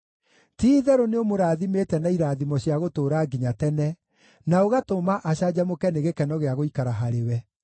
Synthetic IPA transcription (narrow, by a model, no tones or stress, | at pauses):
tiːðɛɾoneomoɾaːðimeːtɛnaiɾaːðimɔɕiaɣotoːɾaɡiɲatɛnɛ | naoɣatomaʔaɕad͡ʒamokɛneɣekɛnɔɣeaɣoikaɾaɦaɾewɛ